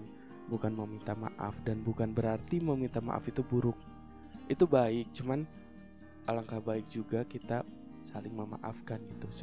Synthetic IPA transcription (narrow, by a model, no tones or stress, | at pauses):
n | bukanməmint̪ama̰ʔa̰fdanbukanbəɾart̪iməmint̪ama̰ʔa̰fit̪ubuɾʊk̚ | ʔit̪ubaɪk̚t͡ʃuman | ʔalaŋkahbaɪk̚d͡ʒuɡakit̪a | salɪŋməma̰ʔa̰fkanɡit̪us